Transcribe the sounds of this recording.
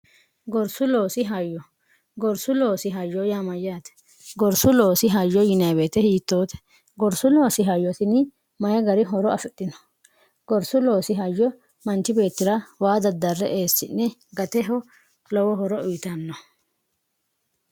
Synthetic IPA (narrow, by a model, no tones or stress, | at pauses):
ɡɔɾsʊlo̞ːsɪɦajːɔ | ɡɔɾsʊlo̞ːsɪɦajːɔjaːmɐjaːt̪ɛ̥ | ɡɔɾsʊloːsɪɦajːɔjɪnabe̞ːt̪ɛhiːt̪ːoːt̪ɛ̥ | ɡɔɾsʊlo̞ːsɪɦajːɔsɪnɪ | mɐjɛɡɐɾɪɦɔɾɔɐfɛt̪ʼːɪnɔ̥ | ɡ̥ɔɾsʊlo̞ːsɪɦɐjːɔ | mɐnt͡ʃːɪbe̞ːt̪ːɪɾɐwaːd̪ɐd̪ːɐrːɛʔeːsːɪnːɛɡɐt̪ɛɦɔ | lɔwɔɦɔɾɔʊjɪt̪ɐnːɔ